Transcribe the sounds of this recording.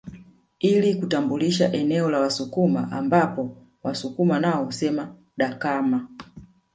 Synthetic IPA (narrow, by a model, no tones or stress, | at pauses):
ilikutambuliʃa̰ʔɛnɛɔlawasukumaʔambapɔ | wasukumanaɔusɛma | ɗakama